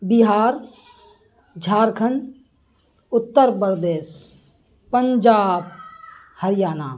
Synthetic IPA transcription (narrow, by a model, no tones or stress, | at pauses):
biɦaːɾ | d͡ʒʱaːɾkʰəɳ | ʊt̪ːəɾpɾəd̪eːʃ | pəɲd͡ʒaːb̚ | həɾɪjaːnaː